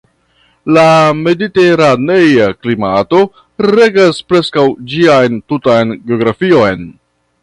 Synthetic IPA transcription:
lame̞dite̞ɾane̞jaklimato̞ | ɾeɡaspɾe̞skawd͡ʒiajntutajnɡeo̞ɡɾafio̞jn

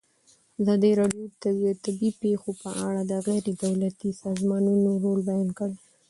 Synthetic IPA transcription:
azɑd̪iɾɑɖjot̪aət̪abipexopəʔa̰ɽad̪əɣajɾed̪awlat̪isɑzmɑnunoɾolbajɑnkəɽ

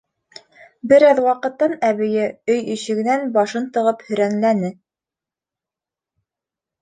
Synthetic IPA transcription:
bɘ̆ɾæðwɑqɤ̆t̪ːɑnæβɘ̆jɘɵjiʃɘ̆ɡɘ̆nænbɑʃɤnt̪ɤ̆ʁɤphɵ̆ɾænlænɘ

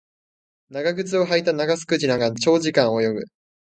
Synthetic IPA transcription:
naɡaɡɯ̟t͡sɨo̞ɦait̪anaɡasɨ̥kɯ̟ʑinaɡãnt͡ɕo̞ːʑikãɰ̃ojo̞bɯ̟

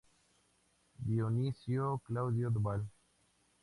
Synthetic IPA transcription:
bijonisijoklawzijod̪bal

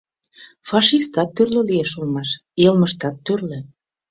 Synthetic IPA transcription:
fɑʃist̪ɑt̪ːyrlølieʃulmɑʃ | elməʃt̪ɑt̪ːyrlø

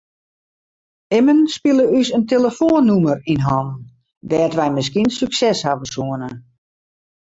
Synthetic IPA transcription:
ɪmənspilˠəysənteləfoənːumərinɦɔn | dɛːtʋɛjmɪs̬kinsyksɛshavəsuənə

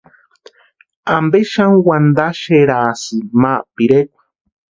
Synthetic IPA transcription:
ambeʃaŋwand̪aʃeɾaːsɨmapiɾekʷḁ

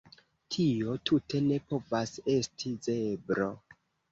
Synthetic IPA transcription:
tʰio̞tʰutʰe̞ne̞po̞vase̞stʰizebɾo

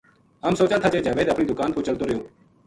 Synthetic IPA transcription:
əmsoːt͡ʃaːt̪ʰaːt͡ʃeːd͡ʒaːʋeːd̪əpɳiːd̪ʊkaːnpʰoːt͡ʃəlt̪oːɾəɦjoː

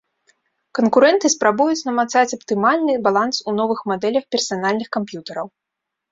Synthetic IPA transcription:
kɐnkuɾɛnt̪ɨspɾabujut͡sʲnɐmat̪sat͡sʲɐpt̪ɨmalʲnɨbalˠansunɔvɨxmad̪ɛlʲɐxpʲɛrsanalʲnɨxkampjut̪ɐɾɐw

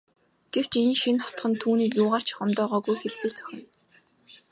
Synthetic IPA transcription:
ɡ̥ew̥t͡ɕinʃinχɔ̥t̪̆χə̆nt̪ʰuːniːkjʊːʁaːr̥t͡ɕʰχɔmt̪ɔːʁɔːɣujxeɮpĭt͡sœ̥xʲɪ̆n

